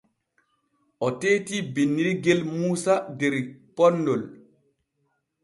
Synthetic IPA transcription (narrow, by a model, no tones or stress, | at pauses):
ʔɔteːtibinːiɾɡɛlmuːsadɛɾpɔnːdɔl